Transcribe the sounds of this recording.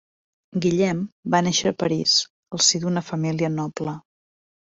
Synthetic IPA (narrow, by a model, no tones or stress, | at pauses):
ɡiʎɛmbanɛʃəːpəɾis | əlˠsid̪unəfəmiliənɔplə